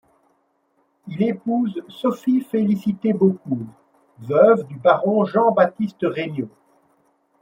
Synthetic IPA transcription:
ilepuzsɔfifelisit̪ebok̚u | vœvd̪ybaʁɔ̃ʒɑ̃bat̪ist̪əʁeɲjo

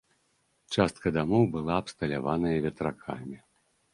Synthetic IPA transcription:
t͡ʂast̪kɐd̪amɔwbɨlˠaːpst̪ɐlʲavanɐjɐvʲɛt̪ɾakʰa̰mʲi

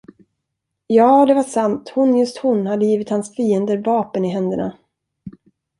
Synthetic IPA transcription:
jɑːd̪ɛvaʂamt̪hʊnjɵst̪hʊnhad̪ːəjiːvɪt̪hansfiːənd̪əɾvɑːpənɪɦɛnd̪əɳa̰

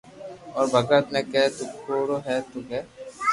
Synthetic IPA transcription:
ɔːɾbʱɐɡɾət̪nekɛt̪ukʰoːɽoɦɛːt̪ukɛ

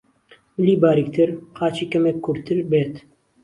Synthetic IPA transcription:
mɪliːbaːɾik̚t̪ʰɨɾqaːt͡ʃiːkɐmekʰːʊɾt̪ʰɨɾbeːt̪

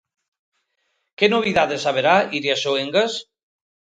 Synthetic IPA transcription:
kenoβ̞iðaðesaβ̞eɾaiɾiasoeŋɡas

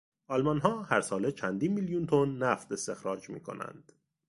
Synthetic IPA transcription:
ʔɒlmɒnɦɒːhæɾsɒːlet͡ʃʰænd̪iːnmiljunt̪ʰonːæft̪e̞st̪e̞xɾɒːd͡ʒmḭːkʰo̞̰næ̰nd̪̥

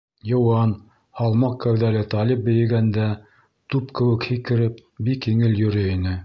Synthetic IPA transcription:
jɤ̆wɑn | hɑlˠmɑq̚kæwðælɘt̪ɑlʲip̚bɘ̆jɘ̆ɡænd̪æ | t̪upkɘ̆wɘ̆khikɘ̆ɾɘp̚bikːiŋɘljɵ̆ɾɘinɘ

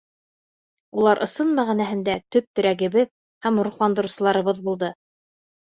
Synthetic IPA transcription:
ulˠɑɾʔɤ̆sɤnmæʁænæɦɘ̆nd̪æt̪ɵp̚t̪ɵ̆ɾæɡɘ̆βɘð | hæmɾuχlˠɑnd̪ɤ̆ɾɤ̆wsɤ̆lˠɑɾɤ̆βɤðbulˠd̪ɤ

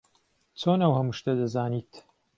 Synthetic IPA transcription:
t͡sʰoːnɐwhɐmuʃt̪ɐd̪ɐzaːniːt̪

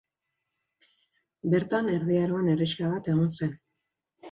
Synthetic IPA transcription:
be̞ɾt̪ane̞ɾðiaɾoene̞riskaβat̪e̞ɣ̞onse̞n

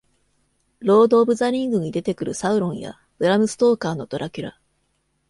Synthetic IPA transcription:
ɾo̞ːd̪o̞ːbɯ̟zaɾʲĩŋɡɯ̟ɲ̟id̪e̞t̪e̞kɯ̟ɾɯ̟saɯ̟ɾõ̞ɰ̃ja̰ | b̥ɯ̟ɾamɯ̟sɨ̥t̪o̞ːkaːno̞t̪o̞ɾʔakʲɯɾa

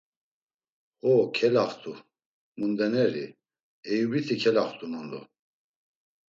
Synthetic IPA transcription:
χɔkʰɛlaχt̪ʰʼu | mund̪ɛnɛɾi | ɛjubit̪ʰikʰɛlaχt̪ʰʼunɔnd̪ɔ̰

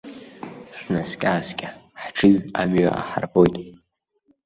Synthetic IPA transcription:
ʃʷnaskʲʼaːskʲʼaħʈ͡ʂʰɨɥamɥa̰ʔa̰ħa̰rbo̞jtʼ

